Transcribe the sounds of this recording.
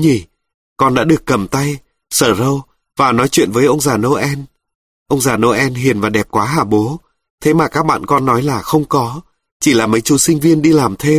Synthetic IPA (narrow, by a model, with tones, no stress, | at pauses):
ɲi˧˩ | kɔ˧nɗa̰ː˧˥ɗɨ˨˩əkːə˨˩mt̪a˧j | səː˧˩zə˧w | vaː˨˩nɔ˨˦jt͡ɕwḭ˧˨ənvəː˨˦jʔə˧wŋ͡mzaː˨˩no˧ʔɛ˧n | ʔə˧wŋ͡mzaː˨˩no˧ʔɛ˧nɦi˨˩ənvaː˨˩ɗɛ˨˩p̚kwaː˨˦ɦaː˧˩ɓo˨˦ | t̪ʰe˨˦maː˨˩kaː˦˥k̚ɓa̰ː˧˨nkɔ˧nːɔ˨˦jlaː˨˩xə˧wŋ͡mkɔ˨˦ | t͡ɕi˧˩laː˨˩mə˨˦jt͡ɕu˨˧˦sï˧ŋ̟vi˧ənɗi˧laː˨˩mt̪ʰe˧